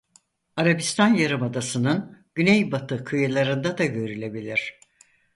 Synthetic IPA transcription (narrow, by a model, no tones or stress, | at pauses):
aɾabist̪ʰanjaɾɯmad̪asɯnɯnɟ̥ynejbat̪ʰɯkʰɯjɯlˠaɾɯnd̪ad̪aɟø̞ɾylʲe̞bilʲiɾ̥